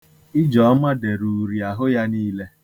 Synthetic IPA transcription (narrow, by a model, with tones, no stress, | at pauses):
ɪ˦d͡ʒɔ˨˦ma˦de˨ɾu˨ɾi˨a˨ɦʊ˦ja˦niː˦le˦